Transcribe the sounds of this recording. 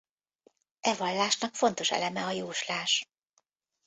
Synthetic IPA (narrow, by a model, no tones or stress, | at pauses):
ʔɛvɒlːaːʃnɒkfo̞nt̪o̞ʃɛ̰lɛmɛɒjuːʃlaːʃ